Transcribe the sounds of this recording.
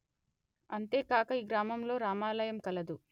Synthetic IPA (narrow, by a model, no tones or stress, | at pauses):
ɐnt̪e̞ːkaːkɐiːɡɾaːmɐmlo̞ːɾaːmaːlɐjɐmkɐlɐd̪u